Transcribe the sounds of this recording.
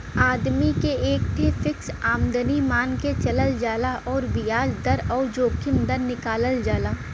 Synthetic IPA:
aːd̪mikeeːkʈʰefɪksaːmd̪ənimaːnket͡ʃɐləld͡ʒaːlaʔɔːɾbɪjaːd͡ʒd̪ɐɾɔːɾd͡ʒoːkʰɪmd̪əɾnɪkaːləld͡ʒaːlaː

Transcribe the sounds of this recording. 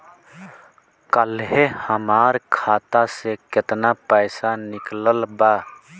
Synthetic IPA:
kəlɦehəmaːɾkʰaːt̪asekɪt̪napəɪsanɪkləlbaː

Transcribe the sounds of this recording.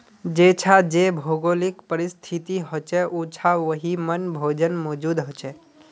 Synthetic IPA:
d͡ʒet͡ʃʰad͡ʒebʱoɡolikpəɾist̪ʰit̪iɦot͡ʃɛʔut͡ʃʰaʋəɦimənbʱoːd͡ʒənmɔːd͡ʒuːd̪ɦot͡ʃɛ

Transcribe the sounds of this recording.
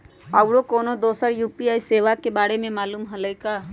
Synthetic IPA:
əwɽokoːnod̪oːsəɾjuːpiaːiseːʋakebaːɽemẽmaːluːmɦələjka

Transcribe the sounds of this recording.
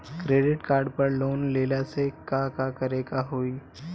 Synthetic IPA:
kɾeɖɪʈkaːɾɖpəɾloːnleljasekakakəɾekaɦoi

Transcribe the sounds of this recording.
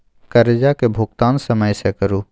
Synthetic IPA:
kəɾed͡ʒakebʱʊɡ̚t̪aːnsəməjsekəɾu

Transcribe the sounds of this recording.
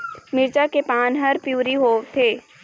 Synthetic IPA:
mɪɾt͡ʃakepaːnɦɐɾpjuːɾiɦoːt̪ʰeː

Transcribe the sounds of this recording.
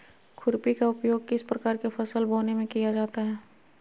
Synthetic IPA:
kʰʊɾpikaʊpjoːɡ̚kɪspɾɐkaːɾkefɐsəlboːnemẽkijad͡ʒaːt̪aɦɛː

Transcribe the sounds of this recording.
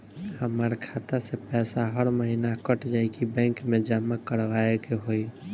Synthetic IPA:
həməɾkʰat̪asepɛsaɦəɾməɦinakəʈd͡ʒajkibɛ̃ŋkmẽd͡ʒamːakəɾʋaekeɦoj

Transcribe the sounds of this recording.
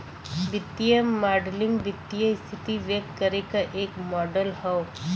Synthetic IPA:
ʋɪt̪ːijəmaːɖlɪ̃ŋɡʋɪt̪ːijəɪst̪ʰɪt̪iʋekkːəɾekaʔeːkmɔːɖəlhɔo

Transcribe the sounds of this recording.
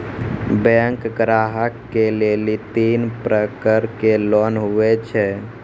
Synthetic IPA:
bɛ̃ŋkɡɾaɦəkːelelit̪inpɾəkəɾkelɔnɦuɛt͡ʃʰɛ

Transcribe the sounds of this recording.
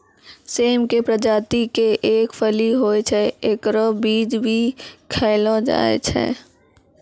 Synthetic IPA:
seːmkepɾəd͡ʒaːt̪ikeʔeːkfʰəliɦoːet͡ʃʰɛeːkɾobiːd͡ʒbʱikʰɛːlod͡ʒa̰ːḛt͡ʃʰɛ̰ː

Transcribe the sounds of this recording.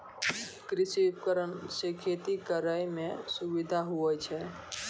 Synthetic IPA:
kɾisiup̚kəɾənsekʰet̪ikəɾəjmẽsubid̪ʱaɦuət͡ʃʰɛ

